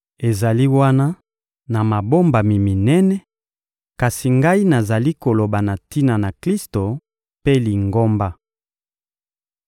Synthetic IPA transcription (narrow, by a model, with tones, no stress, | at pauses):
e˨za˨li˦wa˦na˦ | na˨ma˨bo˦mba˨mi˨mi˨nɛ˦nɛ˦ | ka˨si˨ŋɡa˦i˦na˨za˨li˦ko˨lo˨ba˨na˨ti˦na˨na˨kli˦sto˨ | pe˦li˨ŋɡo˦mba˦